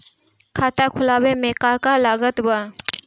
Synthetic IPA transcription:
kʰaːt̪akʰʊlaːwemẽkakalaːɡət̪wa

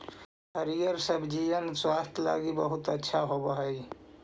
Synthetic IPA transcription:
ɦəɾijəɾsəbʱd͡ʒiʋənswast̪ʰla̰ɡibəɦut̪ətːʃʰaɦobəɦəj

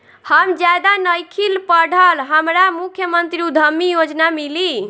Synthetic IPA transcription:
həmd͡ʒad̪anəjkʰilpəɽʱəlɦəmɾamukʰjəmənt̪ɾiud̪ʱəmːijod͡ʒnamili

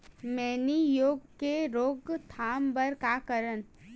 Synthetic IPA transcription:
mɛːnijoːɡkeɾoːɡt̪ʰaːmbəɾkakəɾən

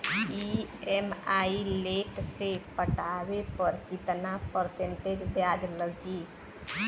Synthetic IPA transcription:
iemaileːʈsepəʈawepəɾkɪt̪napəɾsẽɳʈed͡ʒbjaːd͡ʒləɡi

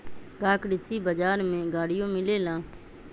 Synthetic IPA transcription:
kaːkɖɪsiːbəd͡ʒaːɾmẽːɡaːɽɪjõːmɪleːlãː

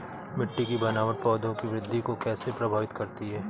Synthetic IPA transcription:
mɪʈːikibɐnaːʋəʈ̚pɔːd̪õkiʋɾɪd̪ʱːikokɛːsepɾɐbʱaːʋɪt̪kɐɾt̪iɦɛː

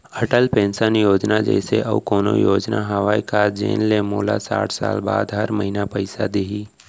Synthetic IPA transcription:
əʈəlpẽːnsənjoːd͡ʒnad͡ʒɛ̰ːseʔɐukoːno̰joːd͡ʒnaɦəʋaːikad͡ʒḛːnlemoːlasa̰ːʈʰsa̰ːlba̰ːd̪ɦɐɾməɦinapəɪsad̪iɦiː

